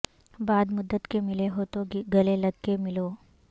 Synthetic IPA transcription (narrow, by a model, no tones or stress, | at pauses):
baːd̪mʊd̪ːət̪kemɪleɦot̪oɡiɡəleləɡkemɪlo